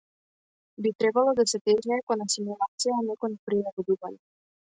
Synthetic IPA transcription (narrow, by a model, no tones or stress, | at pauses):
bit̪ɾɛbalˠɔd̪asɛt̪ɛʒnɛːkɔnasimulˠat̪sijanɛkɔnpɾilɛɡɔd̪ubanɛ